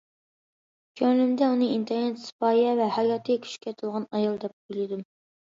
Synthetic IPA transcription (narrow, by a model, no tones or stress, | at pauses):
kʲʰøŋlymd̪ɛunɨint̪ʰeɾnɛt̪sɨ̥pɑːjɛvɛhɑjɑːt̪ʰɨɡʲɛkʲʰy̥ʃkʲʰɛt̪ʰɨlˠʁɑnɑjɑlˠd̪ɛp̚ʰujlˠɪd̪um